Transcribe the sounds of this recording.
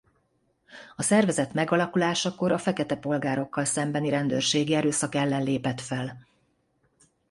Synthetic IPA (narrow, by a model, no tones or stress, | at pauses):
ɒsɛrvɛzɛt̪mɛɡɒlɒkulaːʃɒko̞ɾɒfɛkɛt̪ɛpo̞lɡaːɾo̞kːɒlsɛmbɛniɾɛnd̪øːrʃeːɡiɛɾøːsɒkɛlːɛnleːpɛt̪fɛl